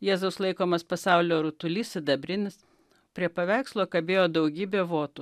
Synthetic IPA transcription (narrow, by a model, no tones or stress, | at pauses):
jeːzɐʊslˠɐɪkoːmɐspɐsɑʊlʲoːɾʊt̪ʊlʲiːsʲɪd̪ɐbʲɾʲɪnʲɪs | pʲɾʲiɛpɐʋʲæˑɪkslˠoːkɐbʲeːjoːd̪ɐʊɡʲiːbʲeːʋoːt̪ʊ